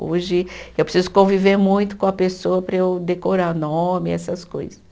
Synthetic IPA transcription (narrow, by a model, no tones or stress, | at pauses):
oʒɪewpɾsizʊkõviveɾmũj̃t̪ʊ̥kõɐpesoɐpɾɐewd̪ekoɾaɾnõmɪɛ̰sɐsko̰jzɐs